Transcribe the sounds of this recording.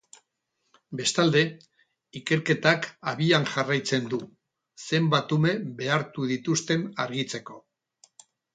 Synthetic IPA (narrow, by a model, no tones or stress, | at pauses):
be̞st̪ald̪e̞ | ike̞ɾke̞t̪akaβianʝarajt͡se̞nd̪u | se̞mbat̪ume̞βe̞aɾt̪uð̞it̪ust̪e̞naɾɣit͡se̞ko̞